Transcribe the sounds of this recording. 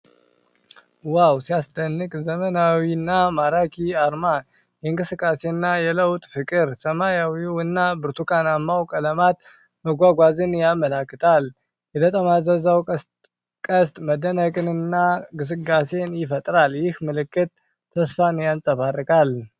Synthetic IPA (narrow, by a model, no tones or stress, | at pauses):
wawsijasd̪ənːɨkʼzəmənawinːamaɾakʰiaɾma | jɛɨŋkʼɨsɨkʼːase̞nːajɛləwt̪ʼfɨkʼɨɾsəmajawiwɨnːabɨɾt̪ʰukanamːawkʼələmat̪̚ | məɡʷaɡʷazɨnjaməlakːɨt̪ʰal | jɛd̪ət̪ʼəmazəzaw | kʼəst̪ʼməd̪ənəkʼɨnɨnːaɡɨs̬ɨɡase̞njɪfət̪ʼɾaljɪhmɨlɨkːɨt̪̚ːʰ | əsfanjansʼəfarːɨkʰʼal